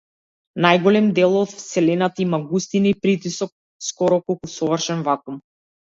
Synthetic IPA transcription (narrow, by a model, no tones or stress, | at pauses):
najɡɔlɛmd̪ɛlˠɔt̪fsɛlɛnat̪aimaɡust̪inipɾit̪isɔk̚ | skɔɾɔkɔlˠkusɔvrʃɛnvakum